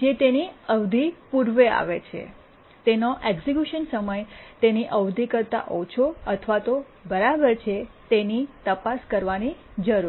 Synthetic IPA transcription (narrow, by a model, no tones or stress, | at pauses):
d͡ʒet̪eniəʋd̪ʱipuɾʋea̰ʋet͡ʃʰḛ | t̪enoʔeɡsikjuʃənsəməjt̪eniʔəʋd̪ʱikəɾt̪a̰ʔot͡ʃʰoət̪ʰʋat̪o | bəɾabəɾt͡ʃʰet̪enit̪əpaskəɾʋanid͡ʒəɾu